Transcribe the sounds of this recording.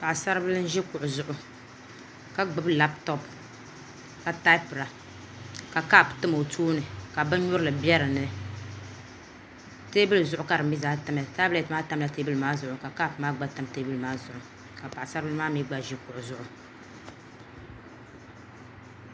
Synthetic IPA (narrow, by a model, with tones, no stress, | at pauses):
pa˨ʔsa˦ɾɨ˦bɨ˦lɨ˦n˦ʒi˦kʊ˨ʔʊ˨zʊ˦ʔʊ˨ | ka˨ɡ͡bɨ˦bla˦ptɔ˦p | ka˨ta˦pɨ˨ɾa˨ | ka˨ka˦˨ptɨ˦m˨o˨tʰuː˦nɨ˨ka˨bɨ˦n˦ɲʊ˦ɾɨ˦lɨ˨bjɛ˦ɾɨ˨nɨ˦ | te˦bɨ˦lɨ˨zʊ˦ʔʊ˨ka˨ɾɨ˨m˦bi˦zaː˦ta˨m˨ja˨ta˦blɛ˨tmaː˦ta˦m˦la˨te˦bɨ˦lɨ˨maː˦zʊ˨ʔʊ˨ka˨ka˦˨pmaː˦ɡ͡ba˦ta˨˦mte˦bɨ˦lɨ˨maː˦zʊ˨ʔʊ˨ | ka˨pa˨ʔsa˦ɾbɨ˦lɨ˦maː˦mi˦ɡ͡ba˦ʒi˦kʊ˨ʔʊ˨zʊ˦ʔʊ˨